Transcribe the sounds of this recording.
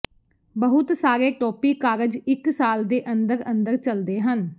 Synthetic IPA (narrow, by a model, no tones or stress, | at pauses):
bəɦʊt̪saːɾeːʈɔːpiːkaːɾəd͡ʒɪksaːld̪eːʔənd̪əɾə̃nd̪əɾt͡ʃəld̪eːɦən